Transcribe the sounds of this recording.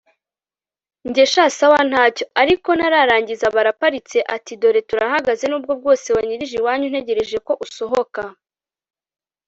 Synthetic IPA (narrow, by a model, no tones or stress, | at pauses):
ɲɟe̞ʃaːsawan̥haːco̞aɾiko̞naɾaɾaːɲɟizaβaɾapaɾit͡se̞ʔatido̞ɾe̞tuɾahaɡaze̞nuːb̚ɡob̚ɡo̞ːse̞waɲiɾiʒiwaːɲun̥e̞ɟe̞ɾe̞ʒe̞ko̞ʔuso̞ɦo̞ka